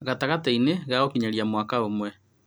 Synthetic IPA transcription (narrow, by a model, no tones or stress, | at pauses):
ɣataɣataineɣaɣɔkiɲaɾjamwakaomwɛ